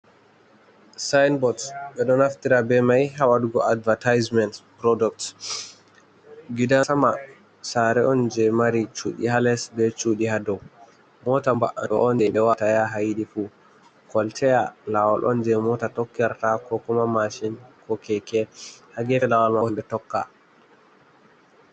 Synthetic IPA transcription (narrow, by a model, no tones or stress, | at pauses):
sajnbɔdsɓɛɗɔnaftiɾabɛmajɦawaduɡɔadvatajzmɛntpɾɔduk̚t | ɡidasama | saɾɛɔnd͡ʒɛmaɾit͡ʃuɗḭhalɛsbɛt͡ʃuɗihadɔw | mɔtambaʔaɔ̰ʔɔnd͡ʒɛɓɛwatajaɦajɗifu | kɔltʰɛjalawalʔɔ̰nd͡ʒɛmɔtatɔkːɛɾtakɔkɔmamaʃinkɔkɛkɛhaɡɛlawalmamɓɛtɔkːa̰